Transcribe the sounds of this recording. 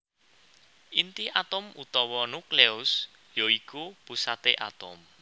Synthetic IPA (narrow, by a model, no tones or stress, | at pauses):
ʔint̪iʔat̪ʊmut̪ɔwɔnukleʊs | joikupusat̪eʔa̰t̪ʊm